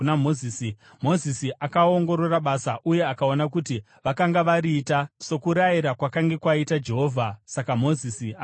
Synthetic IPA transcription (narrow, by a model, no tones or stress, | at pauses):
namozisi | mo̞zisiakaoŋɡo̞ɾo̞raɓasaʔuje̞akaonak̬uti | ʋakaŋɡaʋaɾiːtaso̞kuɾajiɾakwakaŋɡe̞kwaitad͡ʒe̞ɦo̞ːvʱasakamo̞zisia